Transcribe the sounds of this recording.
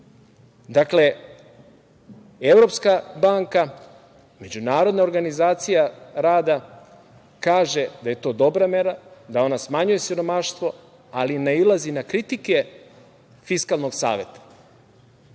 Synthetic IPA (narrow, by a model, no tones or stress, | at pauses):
d̪akle̞ | e̞vɾo̞pskabaːŋka | me̞d͡ʑunaːɾo̞d̪nao̞ɾɡanizaːt̪sijaɾaːd̪a | kaːʒe̞d̪aje̞t̪o̞ːd̪o̞bɾameɾad̪ao̞nasmaɲuje̞siɾo̞maʃt̪ʋo̞ | alineilˠazinakɾit̪ike̞ | fiskalˠno̞ɡsa̰ːʋe̞t̪ḁ